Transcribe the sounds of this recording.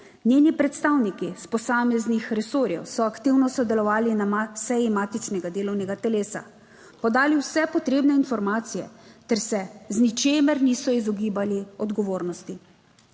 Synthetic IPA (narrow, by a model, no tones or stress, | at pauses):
nʲeːnipɾɛt̪st̪aːwnikispɔsaːmɛznixɾɛsoːɾjɛ̰wsɔakt̪iwnɔsɔd̪ɛlɔʋaːlinamasɛjimaːt̪it͡ʃnɛɡad̪eːlɔwnɛɡat̪ɛleːsa̰ | pɔd̪aːliwsɛpɔt̪ɾeːbnɛinfɔɾmaːt̪sijɛ̰t̪ɛɾsɛznit͡ʃeːmɛɾniːsɔizɔɡiːbaliɔd̪ɡɔʋoːɾnɔst̪i